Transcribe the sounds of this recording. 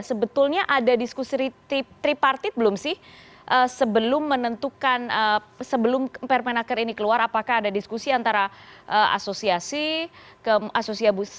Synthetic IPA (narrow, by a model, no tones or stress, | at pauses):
səbət̪ʊlɲaʔadadiskusiɾiit̪ɾipart̪ibəlʊmsɪh | ʔəsəbəlʊmːənənt̪ukanəsəbəlʊmpɛrpɛnakəɾinikəluaɾapakaːdadiskusiant̪aɾaʔəʔa̰sosiasikəasosiabu